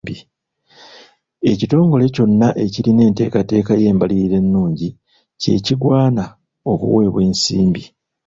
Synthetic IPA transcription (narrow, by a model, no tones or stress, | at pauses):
bi | e̞cito̞ːŋɡo̞le̞co̞nːaʔe̞ciline̞ːnte̞̰ːkate̞ːkaje̞ːmbaliɾiɾe̞nːuːɲɟi | ce̞̰ːciɡwaːna | o̞kṵwe̞ːβweːnsḭːmbi